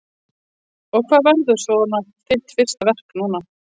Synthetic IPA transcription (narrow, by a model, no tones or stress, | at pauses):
ɔɣkʰv̥aːðvɛɾðʏ̥svɔnafɪn̥t̪fɪr̥st̪avɛr̥knuːna